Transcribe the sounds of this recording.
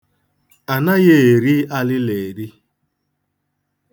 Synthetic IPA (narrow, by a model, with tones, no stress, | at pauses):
a˨na˦ɣe˦e˨ɾi˦a˦lɪ˦le˨ɾi˦